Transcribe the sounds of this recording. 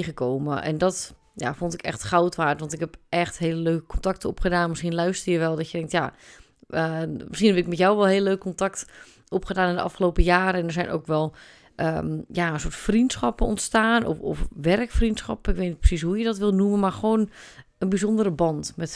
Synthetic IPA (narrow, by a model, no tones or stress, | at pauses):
ɣəkoːmə̰ʔɛ̰ndɔt | ja̰fontɪkɛ̰xtxawtʋaːtʋɑntɪkhɛpʔɛxtɦeːləløːkəkʰɔntak̚təopχədaːnmɪsχiənlœɥstərjəʋɛlˠdɔtjədɛŋk̚tja | məsχinɦɛpɪkmɛtjawʋɛlˠɦeːlˠəløːkkontakt | ʔopχədaːnɪndəʔɑ̰fχəloːpəjaːɾəɛndəɹz̥ɛjnʔo̰ːkʋɛlˠ | ʔəmjaənsoətfrintsχɑpənɔntstaːnɔ̰fɔ̰fʋɛrkfrintsxɑ̰pəɪkʋeːtnit̚prə̥sis̬ɦujədɔtʋɪlˠnumənmarxʋoːn | ənbizondərəbɑntmɛt